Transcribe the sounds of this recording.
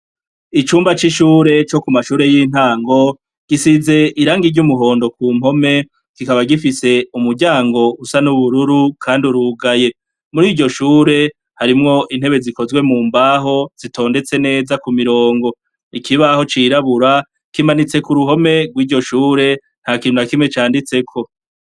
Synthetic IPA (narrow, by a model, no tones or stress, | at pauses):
it͡ʃuːmbat͡ʃiʃuːɾe̞t͡ʃo̞kumaʃuːɾe̞jiːn̥haːŋɡo̞ | ɡ̥isize̞ʔiɾaːŋɡiɾɟumuɦo̞ːndo̞kuːm̥ho̞me̞ | ɡ̥ikaβaɡifise̞umuɾɟaːŋɡo̞usanuβuɾuɾukʰaːndiuɾuɡaje̞ | muɾiːɟo̞ʃuːɾe̞ | haɾimŋo̞ʔin̥he̞βe̞ziko̞zɡwe̞muːmbaɦo̞z̥itʰo̞ːnde̞t͡se̞ne̞ːzakumiɾo̞ːŋɡo̞ | ikʰiβaho̞t͡ʃiɾaβuɾa | kimanit͡se̞kuɾuɦo̞me̞ɡwiːɟo̞ʃuːɾe̞ | n̥haːkiːn̥unakimŋe̞t͡ʃaːndit͡sekʰo̞